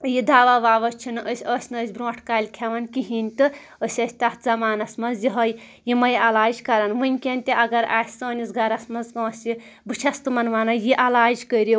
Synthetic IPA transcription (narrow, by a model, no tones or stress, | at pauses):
jid̪aːʋaːʋaːʋɐt͡ʃʰinɨʔəsʲəsʲnɨəːsʲbɾõːʈʰkaːlʲkʲʰɐʋɐnkiɦinʲt̪ɨ | əsʲɐsʲt̪ɐt̪zɐmaːnɐsʲmɐzjiɦɐj | jimɐjɐlaːd͡ʒkɐɾɐnʋɨnʲkʲenʲt̪ʲiʔɐɡɐɾa̰ːtʲsoːnʲisɡɐɾɐsmɐzkɐ̃ɐsʲi | bɨt͡ʃʰɐst̪ɨmɐnʋɐːnɐjiʔɐlaːd͡ʒkəɾi